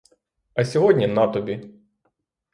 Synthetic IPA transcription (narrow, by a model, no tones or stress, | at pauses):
ɐsʲɔɦɔdʲnʲinat̪ɔbʲi